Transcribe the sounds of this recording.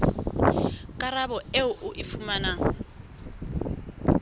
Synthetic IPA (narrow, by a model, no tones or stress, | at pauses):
kʼaɾabɔeʊʔʊʔɪfumana